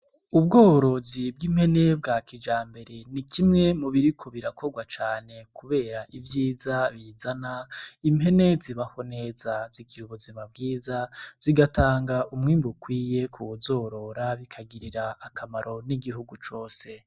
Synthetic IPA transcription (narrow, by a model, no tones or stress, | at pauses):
ubɡoːɾo̞zib̚ɡimhe̞ne̞b̚ɡaːkid͡ʒaːmbe̞ɾe̞nikʰimŋe̞muβiɾikʰo̞βiɾakʰo̞ɡwat͡ʃaːne̞kʰuβe̞ːɾaʔivjiːzaβizanaimhe̞ne̞ziβaho̞ne̞ːzazikiɾuβoziβab̚ɡiːzaz̥iɡataːŋɡaʔumŋiːmbukwiːje̞kʰuzo̞ːɾo̞ɾaβikʰaɡiɾiɾaakʰamaɾʔo̞niɡiɦuɡut͡ʃo̞ːse̞